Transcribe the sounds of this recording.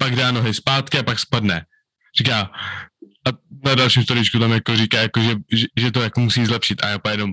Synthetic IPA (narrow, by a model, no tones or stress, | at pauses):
paɡdaːnoɦɪspaːt̪kɪapakspadnɛ | r̝ikaː | ʔanadalʃimst̪oɾɪt͡ʃkut̪amjakorikaːjakoʒɛʒɛʒɛt̪̬ojakomusiːzlɛpʃɪt̪ʔa̰jaːpjɛnom